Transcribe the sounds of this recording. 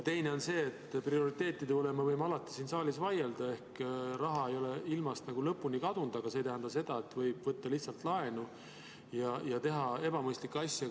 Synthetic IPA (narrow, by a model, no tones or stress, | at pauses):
t̪e̞jne̞o̞nse̞ːt̪ːˑprio̞ɾit̪ːe̞ːt̪ːˑid̪eolemɑvɤjmɑlɑt̪ːˑi̥siːnsɑːlisvɑje̞ld̪̥ɑe̞hkrɑɦɑe̞jo̞le̞ilmɑst̪nɑɡ̥ulɤpːˑunikɑd̪̥und̪̥ɑɡ̥ɑset̪æɦænd̪ɑse̞d̪̥ɑe̞t̪ːˑvɤjb̥vɤt̪ːɑliht̪sɑlt̪lɑe̞nu | jɑjɑt̪e̞ɦɑe̞b̥ɑmɤjst̪likːɑsʲjɑ